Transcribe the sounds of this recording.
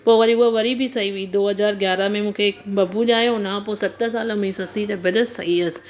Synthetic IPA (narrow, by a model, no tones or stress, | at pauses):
poːʋɐɾiʊoʋɐɾibʱisɐɦiʋeiːd̪oːɦɐzaːɾɡjaːɾamẽmũːkʰekbɐbuʄaːɦjõʊnãpoːsɐt̪ːəs̬aːlamĩːsɐsit̪ɐbɪd̪əsɐɦiɐs